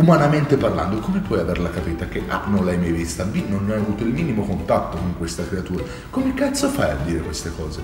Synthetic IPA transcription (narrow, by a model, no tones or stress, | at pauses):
umanament̪eparla̰nd̪okomepwɔjaverlakapiːt̪ak̟eʔa̰nonlajmajvist̪abinːonajavuːt̪oilmiːnimokont̪at̪ːokoŋkwest̪akɾeat̪uːɾa | komekat̪sːofaja̰d̪ːiːɾekwest̪ekɔːze